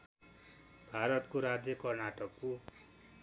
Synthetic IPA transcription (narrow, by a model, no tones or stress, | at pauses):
bʱaɾʌt̪koɾad͡zjʌkʌrnaʈʌkːo